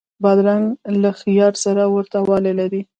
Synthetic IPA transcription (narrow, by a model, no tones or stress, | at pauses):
bad̪ɾanlaxijɑɾsaɾawəɾt̪awɑlelaɾi